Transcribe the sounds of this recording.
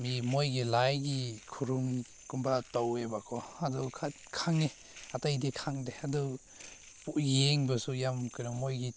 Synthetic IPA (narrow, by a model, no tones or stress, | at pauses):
mimojɡilajɡikʰuɾum | kumbatawebakʰɔadɔkʰatkʰaŋe | atajdikʰaŋdeadɔ | pujeŋbɐsujamkɯnamojɡi